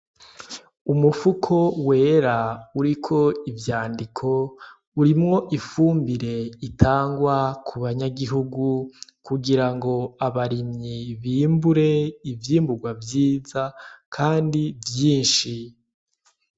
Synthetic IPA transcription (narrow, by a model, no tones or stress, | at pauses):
umufukʰo̞we̞ːɾauɾikʰo̞ivjaːndikʰo̞ | uɾimŋo̞ʔifuːmbiɾe̞itʰaːŋɡwakʰuβaɲaɡiɦuɡukuɡiɾaŋɡo̞aβaɾimɲiβiːmbuɾe̞ivjiːmbuɡwavjiːzakʰaːndivjiːnʃi